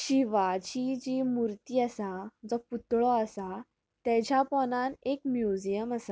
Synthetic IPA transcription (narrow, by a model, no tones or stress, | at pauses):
ɕiʋat͡ɕid͡ʑimuɾt̪iːəsad͡zɔput̪ɭɔəsa | t̪ɛd͡ʑjapɔnãnekmjud͡ʑijəməsa